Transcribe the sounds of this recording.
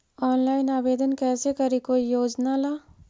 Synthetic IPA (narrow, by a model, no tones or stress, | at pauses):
ɔːnlaːɪnaːbeːd̪ənkɛːsekɐɾikoːijoːd͡ʒnalaː